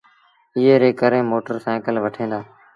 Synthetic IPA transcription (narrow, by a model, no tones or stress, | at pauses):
ɪɦeːɾeːkəɾẽːmoːʈəɾsɛ̃ːkəlʋəʈʰẽːnd̪aː